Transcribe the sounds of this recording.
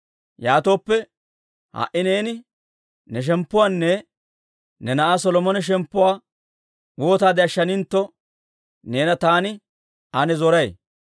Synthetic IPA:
jaːt̪o̞ːpːɛ | ha̰ʔɪne̞ːnɪ | nɛʃ̬ɛmpːʊwaːnːɛ | nɛnɐʔas̬ɔlɔmɔnɛʃ̬ɛmpːʊwaː | woːt̪aːd̪ɪɐʃːɐnɪnt̪ːɔ | ne̞ːnɐt̪aːnɪ | ɐnɛzɔɾɐj

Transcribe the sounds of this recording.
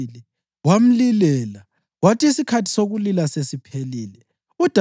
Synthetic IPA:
lɛ | wam̩lilɛla | watʰʼiisikʰatʰi̥soɣulilasesipʰeliːlɛ | ud̥ʱa

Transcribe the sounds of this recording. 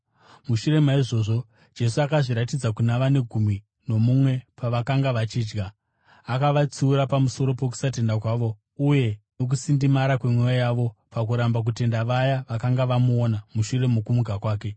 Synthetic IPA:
muʃuɾe̞maiʐo̞ːʐo̞ | d͡ʒe̞s̬uakaʐiɾatid͡zakunaʋane̞ɡʱumi | no̞mumwe̞paʋakaŋɡaʋat͡ʃiːd͡ʒɡaː | kaʋat͡siːɾapamuso̞ɾo̞pe̞ku̥sate̞ndakwaːʋo̞ | uje̞no̞k̬usindimaɾakwe̞mweajaʋo̞pakuɾambak̬ute̞ndaʋajaʋakaŋɡaʋamuonamuʃure̞mokumuɡʱakwaːke̞

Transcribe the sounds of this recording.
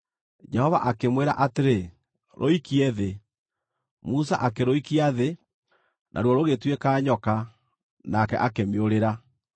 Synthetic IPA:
d͡ʒɛhɔva̰ʔakemweɾa̰ʔateɾe | ɾʔo̰ikiɛðe | musa̰ʔakeɾoikiaðe | nʔa̰ɾwɔɾoɣetwekaːɲɔka | nakɛ̰ʔakemeoɾeɾa

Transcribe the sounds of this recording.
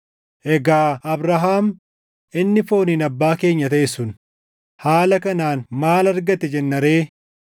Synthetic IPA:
ʔɛɡaːɐbɾɐɦaːm | ʔɪnːɪfo̞ːniːnɐbːaːke̞ːɲːɐt̪ɐʔesʊn | haːlɐkɐnaːnmaːlɐɾɡɐt̪ɛd͡ʒɛnːɐɾe̞ː

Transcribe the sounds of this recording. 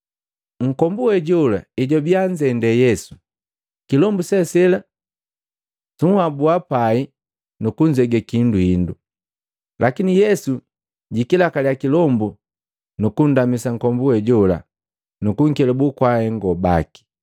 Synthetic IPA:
ŋ̩kɔmbuɛɟɔla̰iɟɔbiaɲd͡ʒɛndɛjɛsu̥ | kilɔmbusɛsɛla | tuŋhabuapai | nukuɲd͡ʒɛɡɛkinduhindu | lakinijɛsu | ɟikilakalijakilɔmbu | nukun̩damisaŋkɔmbuɛɟɔla̰ | nukuŋ̩kɛlɛbukwahɛŋɡɔba̰ki̥

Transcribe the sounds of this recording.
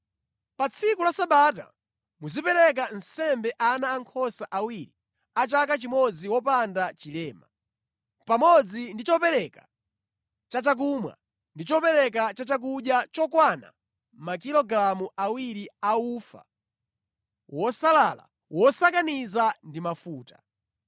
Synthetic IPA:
pat͡sʰikulasaɓata̰ | muzipɛɾɛk̬an̩sɛmbɛʔanaːŋkʰɔsaʔawiɾi | at͡ʃak̬at͡ʃimɔd͡ziwɔpandat͡ʃilɛːma | pamɔd͡zindit͡ʃɔpɛɾɛka | t͡ʃat͡ʃak̬umwa̰ | ndit͡ʃɔpɛɾɛk̬at͡ʃat͡ʃak̬uɗjat͡ʃɔkwana̰ | makilɔɡɾamuʔawiɾiaufa̰ | wɔsalaːla̰ | wɔsakanizandimafuːtḁ

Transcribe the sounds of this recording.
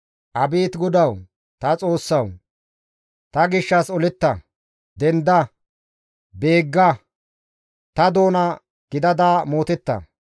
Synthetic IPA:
ʔɐbiːt̪ɡʊd̪ɐw | t̪ɐt͡sʼo̞ːsːɐw | t̪ɐɡɪʃːɐsɔlɪt̪ːɐ | d̪ɛnd̪ɐ | be̞ːɡːɐ | t̪ɐd̪o̞ːnɐ | ɡ̥ɪd̪ɐd̪aːmoːt̪ɛt̪ːɐ̰

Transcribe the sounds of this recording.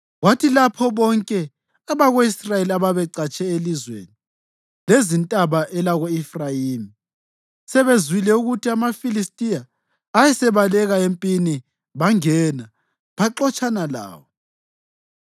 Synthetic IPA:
ɣwatʰilapʰɔβɔŋkʼɛ | aβaɣoisrajeliaβaβɛǀat͡ʃʼʰɛelizwḛːni | lezintʼaβaʔɛlaɣoifrajiːmi | sɛβezwilɛuɣutʰiamafilistʼijaː | jɛsɛβalɛɣaempʼini | βaŋɛna | βaǁɔt͡ʃʼanala̰ːwɔ

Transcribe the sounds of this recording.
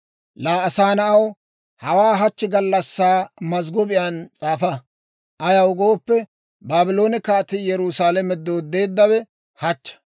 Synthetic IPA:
laːɐsaːnɐʔɐw | hɐwaːɦɐt͡ʃːɪɡɐlːɐsːaːmɐzɡɔbɪjant͡sʼaːfɐ | ʔɐjɐwɡoːpːɛ | baːbɪlo̞ːnɪkaːt̪ɪjɛɾuːsaːlɛmɛd̪oːd̪e̞ːd̪ːɐwɛ | hɐt͡ʃːɐ̥

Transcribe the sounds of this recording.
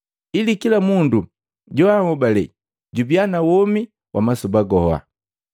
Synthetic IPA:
ilikilamundu | ɟɔhaŋɔbalɛ̰ | ɟubianawɔmi | wʔa̰masubaɡɔa̰

